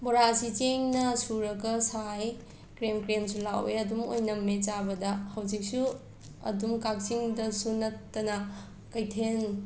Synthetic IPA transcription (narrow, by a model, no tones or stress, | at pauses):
boɾasit͡ʃeŋnɐsuɾɐɡɐsaj | kɾemkɾemsulaweɐdumo̰jnɐmːet͡ʃabɐdɐhɐwd͡ʒik̚su | ɐ̰dumkak̚siŋdɐsunɐtːɐnɐ | kɐjtʰen